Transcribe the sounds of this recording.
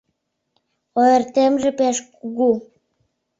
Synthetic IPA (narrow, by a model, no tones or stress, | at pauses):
oĕrt̪emʒĕpeʃkuɣu